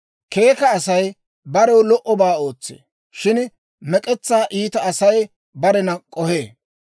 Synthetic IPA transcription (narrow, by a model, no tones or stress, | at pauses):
ke̞ːkɐːsɐj | bɐɾɛwlɔʔɔbaːo̞ːt͡sːḛː | ʃɪn | mɛkʼɛt͡sːaːʔiːt̪ɐːsɐj | bɐɾɛnɐkʼɔheː